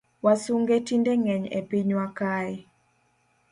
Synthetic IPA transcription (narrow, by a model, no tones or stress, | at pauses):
wasuŋɡetindeŋɛɲḛpiɲwakaɪ